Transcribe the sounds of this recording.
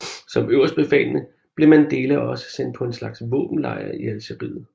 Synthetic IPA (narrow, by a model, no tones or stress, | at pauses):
sɒ̽møʊ̰ɐsd̥̚b̥e̝fɛ̰ːlnə | b̥le̝mænd̥e̝ːlæɒ̽sə̥sen̰d̥̚pʰɒ̽e̝nslɑ̈ɡ̥sʋɔ̰ːb̥m̩lɑ̈ɪɐ̰iælsʰeb̥ið̰̩ˠ